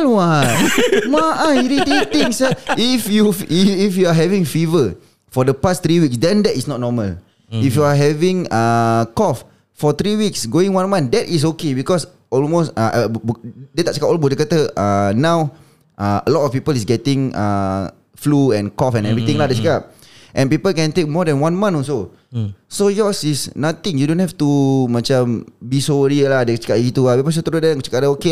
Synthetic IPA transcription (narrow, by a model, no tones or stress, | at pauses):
lwatmaʔaiɾitit̪ĩŋsəifjuiifjuaɦɛvĩŋfivə | fɔdəpast̪ɾiwiksdɛ̃ndɛtisnɔt̚nɔməl | ifjuaɦɛvĩŋakɔf | fɔt̪ɾiwiksɡoĩŋwãnmãndɛtis̬okebikɔs | ɔlmostaʔ | det̪aʔt͡ʃəkapɔlbudəkət̪əʔanãw | ʔaə̰lɔtɔfpipəlisɡɛtɪ̃ŋa̰ | fluɛ̃nkɔfɛ̃nɛvɾit̪ĩŋladet͡ʃəkap̚ | ʔɛ̃npipəlkɛ̃nt̪ek̚mɔdɛ̃nwãnmãnɔ̃nso | sojɔsisnat̪ĩŋjudõnhɛft̪umãt͡ʃãmbisoɹiəlahdet͡ʃə̥kap̚ɡit̪uabɛbas̬ot̪əɾosdɛ̃ŋt͡ʃə̥kaʔdaoke